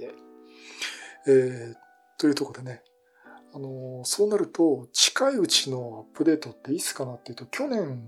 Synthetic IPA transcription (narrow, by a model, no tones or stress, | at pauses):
eː | t̪o̞jiɯ̟t̪o̞ko̞d̪e̞ne̞ | ano̞so̞ːnaɾɯ̟t̪o̞t͡ɕi̥kaiɯ̟t͡ɕino̞apːɯ̟d̪e̞ːt̪ot̪ːe̞it͡ssɨ̥kanat̪ːeiɯ̟t̪okʲo̞nẽ̞ŋ